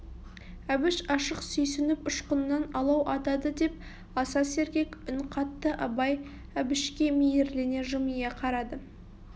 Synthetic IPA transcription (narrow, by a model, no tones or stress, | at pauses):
æbɪʃɑʃəqsɵjsɪnɪpʊʃqənːɑnɑlˠɑwʔɑt̪ɑd̪əd̪e̞p̚ | ɑsɑse̞ɾkʲe̞kʲʊnqʰɑt̪ːəʔɑbɑj | æbɪʃkʲe̞mejeɾlene̞ʒʊmijeqʰɑɾɑd̪ə